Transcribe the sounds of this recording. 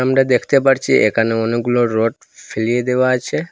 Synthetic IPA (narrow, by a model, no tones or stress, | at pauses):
amɾad̪ekʰt̪epaɾt͡ʃʰiʔḛkʰaneoneɡuloɾoʈ | fʰelijed̪eʋaat͡ʃʰe